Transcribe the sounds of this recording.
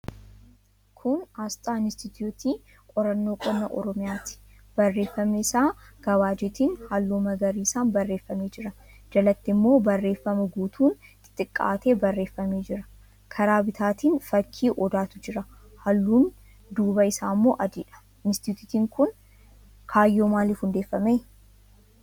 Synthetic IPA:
kʰʊnast̪ʼaːɪnɪst̪ɪt̪juːt̪iː | kʼɔɾɐnːo̞ːkʼɔnːɐʔɔ̰ɾɔmɪjaːt̪ɪ̥ | b̥ɐrːe̞ːfːɐmeɪsaːɡ̥ɐwaːd͡ʒeːt̪iːnhɐlːuːmɐɡɐɾiːsaːnbɐrːe̞ːfːɐme̞ːd͡ʒɪɾɐ | d͡ʒɐlɐt̪ːɪmːo̞ːbɐrːe̞ːfːɐmɐɡuːt̪ʰuːnt̪ɪ̥t̪ʼːɪkʼːa̰ːt̪ʰe̞ːbɐrːe̞ːfːɐme̞ːd͡ʒɪɾɐ̥ | kʰɐɾaːbɪt̪ʰaːt̪iːnfɐkʰːiːʔɔd̪aːt̪ʊd͡ʒɪɾɐ | hɐlːuːn | d̪uːbɐɪsaːmːoːʔɐd̪iːᶑɐ̥ | ɪnst̪ɪut̪ɪt̪iːŋkʊn | kʰaːjːo̞ːmaːliːfhʊnd̪e̞ːfːɐmeː

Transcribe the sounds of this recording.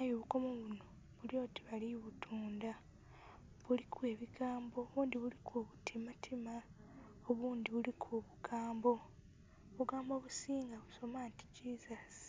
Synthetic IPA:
najoβuko̞moβuno̞ | βuljo̞ːti̥βaliβutʰuːnda | βulikwe̞ːβiɡaːmboːβuːndiβulikʰoβutʰimatʰima | oβuːndiβulikʰoβuɡaːmbo̞ | βuɡaːmbo̞βusiːŋɡaβuso̞maːnti̥cizasi̥

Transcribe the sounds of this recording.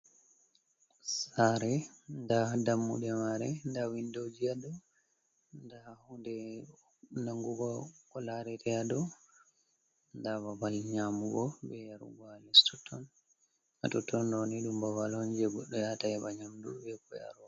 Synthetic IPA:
saɾɛndadamːṵɗɛmaɾɛndawindod͡ʒiadɔ | ndahundɛ | naŋɡuɡɔkɔlaɾɛtʰɛjaɗɔ | ndababalɲamuɡɔbɛjaɾṵɡalɛstɔtʰːɔn | atɔtːɔndɔniɗumbawalɔɲd͡ʒɛɡɔɗːɔjatajɛɓaɲamdṵbɛkɔja̰ɾ

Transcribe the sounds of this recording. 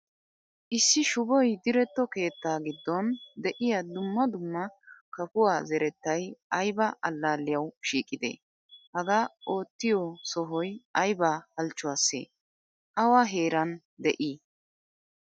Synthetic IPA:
ʔɪsːɪʃʊbɔjd̪ɪɾɛt̪ːɔke̞ːt̪ːaːɡɪd̪ːɔnd̪ɛʔɪjɐd̪ʊmːɐd̪ʊmːɐkɐfʊwaːzɛɾɛt̪ːɐjɐjbɐɐlːaːlːɪjɐwʃiːkʼːɪd̪ḛː | hɐɡaːo̞ːt̪ːɪjɔsɔɦɔjɐjbahɐlt͡ʃːʊwaːsːḛː | ʔɐwaɦeːɾɐn | d̪ɛʔiː

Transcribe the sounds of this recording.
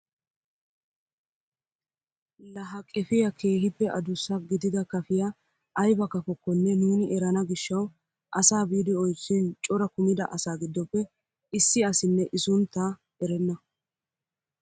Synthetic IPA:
lɐɦɐkʼɛfɪjɐkʰe̞ːɦɪpːɛʔɐd̪ʊsːɐɡɪd̪ɪd̪ɐkɐfɪja | ʔɐjbɐkɐfɔkːɔnːɛnuːnɪʔɛɾɐnɐɡɪʃːɐw | ʔɐsaːbiːd̪ɪɔjt͡ʃːɪnt͡ʃʼɔɾɐkʊmɪd̪ɐʔɐsaːɡɪd̪ːɔpːɛ | ɪsːɪɐsɪnːɛʔɪsʊnt̪ːa | ɛɾɛnːɐ

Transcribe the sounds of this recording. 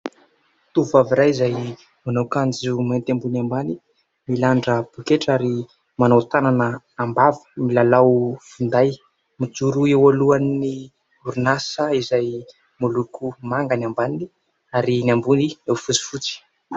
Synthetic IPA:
t̪uvaviɾajizaj | manawkand͡zumant̪ambunambani | milaɳɖ͡ʐəb̥ukeʈ͡ʂaɾi | manawt̪ananəː | mbavə̥milalawfund̪aj | mid͡zuɾuewaluanːi | uɾunasəizaj | mulukumaŋɡanambanii | aɾinambuniewfut͡si̥fut͡si̥

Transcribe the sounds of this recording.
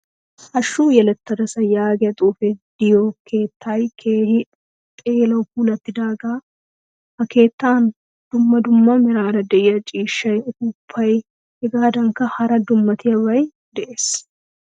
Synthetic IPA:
ʔɐʃːuːjɛlɛt̪ːɐd̪ɐsɐjaːɡɛjɐt̪ʼuːfɛd̪̥ɪjoːkʰe̞ːt̪ːajkʰeːhɪ | t̪ʼeːlɐwkuːlɐt̪ːɪd̪aːɡaː | hɐke̞ːt̪ːaːn | d̪̥ʊmːɐd̪ʊmːɐmɪɾaːnɐd̪ɛʔɪjɐt͡ʃʼiːʃːɐjkʊpʰːɐj | hɛɡaːd̪ɐŋkɐhɐɾɐd̪ʊmːɐt̪ɪjɐwɐj | d̪ɛʔeːs

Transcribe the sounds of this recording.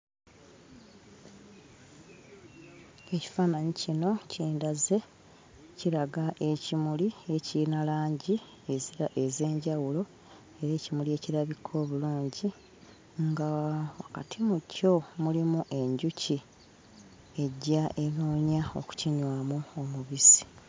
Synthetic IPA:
e̞ci̥faːnaɲicino̞cʰiːndaze̞ | ciɾaɡaʔe̞cimulie̞cinalaːɲɟi | eziɾaʔeze̞ːɲɟawulo̞ | e̞ɾe̞ːcimulie̞ːciɾaβikʰːo̞ːβuluːɲɟi | ŋɡawaka̰tʰimuco̞mulimuʔe̞ɲɟuci | e̞ɟːaʔe̞noːɲao̞̰ku̥ciɲwaːmuomuβisi̥

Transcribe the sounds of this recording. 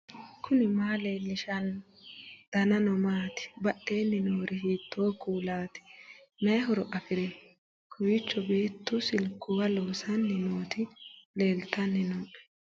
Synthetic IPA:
kʰʊnɪmaːleːlːɪʃɐn | d̪̥ɐnɐnɔmaːt̪ɪ̥bɐɗːe̞ːnːɪnoːɾɪɦiːt̪ʰːoːkuːlaːt̪ɪ̥ | mɛɦɔɾɔʔɐfɪɾɛ | kʰʊwɪt͡ʃːɔbe̞ːt̪ːʊsɪlkːʊwɐloːsɐnːɛnoːt̪ɪle̞ːlt̪ɐnːɛnoːʔɛ̥

